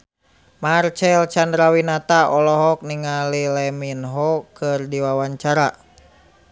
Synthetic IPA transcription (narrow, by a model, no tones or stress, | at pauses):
mart͡ʃɛlt͡ʃandɾawinat̪aɔlɔɦɔk̚niŋalilɛminɦɔkɨrdiwawaɲt͡ʃaɾa